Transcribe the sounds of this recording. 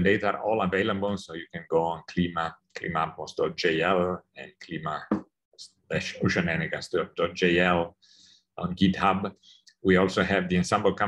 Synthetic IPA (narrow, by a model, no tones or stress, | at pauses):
ndeɪtaɹʔɔlˠəveɪlˠəbl̩ˠsoʊjukɨ̃nɡoʊə̃nkʰl̥imakʰlḭmap̚mosd̥ɔt̚d͡ʒeɪɛlˠɛ̃nkʰlima | s | lɛʃoʊʃə̃nɛnɪɡasdɔd̥ɔt̚d͡ʒeɪɛl | ʔɔ̰̃nɡidhab | wiɔlˠsoɦɨvðiɨ̃nsãmbəl̩ˠkʰã